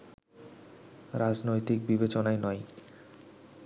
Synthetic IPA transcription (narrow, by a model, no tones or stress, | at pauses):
ɾad͡ʑnojt̪ik̚bibet͡ɕonaenɔj